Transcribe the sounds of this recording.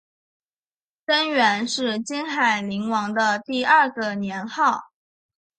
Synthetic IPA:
ʈ͡ʂə˥nɥɛ˧˥nʂɻ̩˥˩t͡ɕi˥nxa˨˩ɪli˧˥ŋwɑ˧˥ŋd̪ə˧t̪i˥˧ɐ˞˥˩ɡə˨njɛ˧˥nxɑ˥˩ʊ

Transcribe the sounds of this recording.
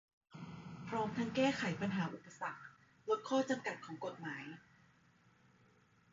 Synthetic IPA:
pʰɾɔː˦˥mt̪ʰa˦˥ŋkɛː˥˩kʰa˩˦jpa˧nɦaː˩˦ʔu˨˩pːa˧sa˨˩k̚ | lo˦˥t̪̚kʰɔː˥˩t͡ɕa˧mka˨˩t̪̚kʰɔː˩˦ŋko˨˩t̪̚maː˩˦j

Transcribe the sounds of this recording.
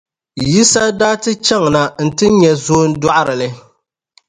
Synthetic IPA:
ji˦sa˦daː˦tɨ˦t͡ʃɛ˦ŋ˨na˨n̩˨tɨ˦ɲɛ˨zoː˦n̩˦dɔ˦ʔa˦ɾɨ˨lɨ˨

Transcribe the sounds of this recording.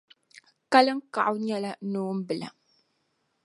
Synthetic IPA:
ka˦lɨ˦ŋ̩˦ka̰˨ʔʊ˦ɲɛ˦la˦nuː˦m̩˦bɨ˨la̰˨

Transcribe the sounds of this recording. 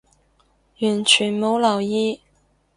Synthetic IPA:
jy˨˩nt͡ɕʰy˨˩nmo˨˧˥wlɑ˨˩ʊi˥

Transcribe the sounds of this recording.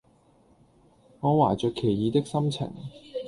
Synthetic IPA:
ŋɔː˨˧waː˨˩t͡ʃœː˨kʰːe˨˩jjiː˨˧t̪ɪ˥k̚sɐ˥mt͡sʰɪ̰˨˩ŋ

